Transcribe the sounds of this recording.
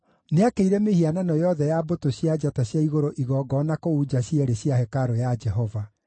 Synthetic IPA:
neakeiɾɛmehiananɔjɔðɛjabotoɕjad͡ʒataɕjaiɣoɾoʔiɣɔːɡɔnakouːd͡ʑaɕjɛɾeɕjahɛkaɾojad͡ʒɛɦɔva

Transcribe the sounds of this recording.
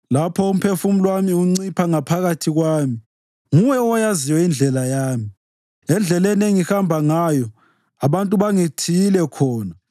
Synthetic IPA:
lapʰɔum̩pʰefum̩lwamiuŋ͡ǀipʰaŋapʰaɣatʰiɣwaːmi | ŋujɛɔjaziwɛind͡ɮʱɛlajaːmi | ɛnd͡ɮʱɛlɛneŋihambʱaŋajɔ | aβantʼuβaŋitʰijilɛkʰɔːna

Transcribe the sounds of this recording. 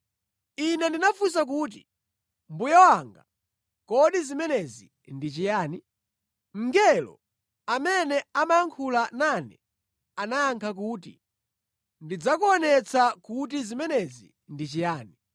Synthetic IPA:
inɛndinafusak̬uːt̬i | mbujawaŋɡa̰ | kɔɗizimɛnɛzḭ | ndit͡ʃijaːni | ŋ̩ɡɛlɔ̰ | amɛnɛamajaŋkʰulananɛ | anajaŋkʰak̬uːtḭ | ndid͡zakuɔnɛt͡sʰakut̬izimɛnɛzḭ | ndit͡ʃijaːni

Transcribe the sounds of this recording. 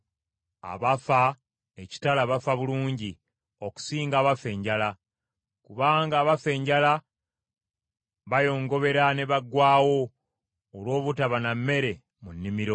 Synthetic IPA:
a̰βafa | e̞ci̥talaβafaβuluːɲɟi | o̞ku̥siːŋɡaːβafe̞ːɲɟala | kuβaːŋɡaːβafe̞ːɲɟala | βajo̞ːŋɡo̞βe̞ɾane̞βaɡwaːwo̞ː | lwo̞ːβutaβanamːe̞ɾe̞ | munːimiɾo̞

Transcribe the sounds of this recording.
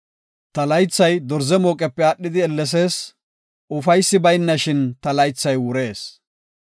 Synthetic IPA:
t̪ɐlɐjt͡sːɐjd̪ɔɾzɛmoːkʼɛpːɛaːɗːɪd̪ɪɛlːɛs̬e̞ːs | ʊfɐjsːɪbɐjnːɐʃɪnt̪ɐlɐjt͡sːɐjwʊɾe̞ːs

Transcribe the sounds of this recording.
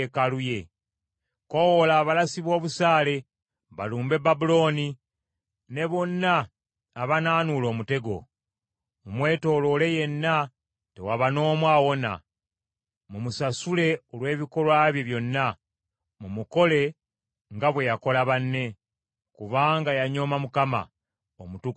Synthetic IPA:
kaluje̞ | ko̞wolaːβalasiβo̞ːβusaːle̞ | βa̰luːmbe̞babulo̞ni | ne̞βo̞nːaː | βanaːnulo̞ːmute̞ɡo̞̰ | mumwe̞ːto̞ːlo̞le̞je̞nːa | tewaβano̞ːmwaːwo̞na̰ | mumusasule̞o̞lwe̞ːβiko̞lwaːβjoβjo̞nːa | mumuko̞le̞ | ŋɡaβwe̞jako̞laβanːe̞ | kuβaːŋɡajaɲo̞mamukama̰ | omutuk

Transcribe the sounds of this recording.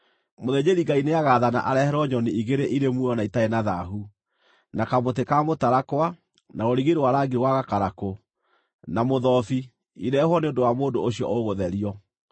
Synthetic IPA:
moðed͡ʑeɾiŋɡaineaɣaːðana̰ʔaɾɛhɛɾɔɲɔniiɣeɾeʔiɾemwɔnaitaenaðaɦu | nakamotekamotaɾakwa | naoɾiɣeɾowaɾaɡiɾewaɣakaɾako | namoðɔfi | iɾɛhwɔneondowamoːndooɕiɔ̰ʔoɣoðɛɾiɔ

